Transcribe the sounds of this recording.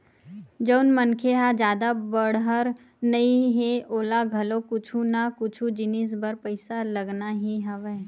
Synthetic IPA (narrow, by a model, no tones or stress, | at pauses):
d͡ʒəʊnmənkʰeɦad͡ʒjaːd̪abəɽɦəɾ | nɐĩɦeʔoːlaɡʱɐlokʊt͡ʃʰunakʊt͡ʃʰud͡ʒɪnɪs̬bɐɾpəɪsalɐɡnaɦiɦəʋe